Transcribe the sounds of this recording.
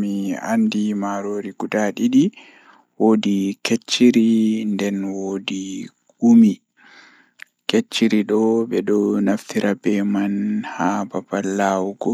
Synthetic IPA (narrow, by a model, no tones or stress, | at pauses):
mia̰ndimaɾoɾiɡudaɗiɗi | woːdiket͡ʃːiɾindɛnwodi | ɡumi | ket͡ʃːiɾiɗɔbɛɗɔnaft̪iɾabɛmanhababalːawuɡɔ